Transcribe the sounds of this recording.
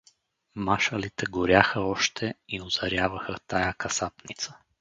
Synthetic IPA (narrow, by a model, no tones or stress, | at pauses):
maʃəlit̪ɛɡʊɾʲjaxəɔʃt̪ʰɛiʊz̥ɐɾʲjavɐxət̪ajakɐsapnit̪sə̥